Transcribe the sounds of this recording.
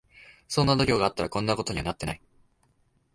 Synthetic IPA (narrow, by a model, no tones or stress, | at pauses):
so̞nːad̪o̞ɾʲoːɡaːt̪ːaɾakõ̞nːakot̪o̞ɲ̟iβa̰nat̪ːe̞na̰i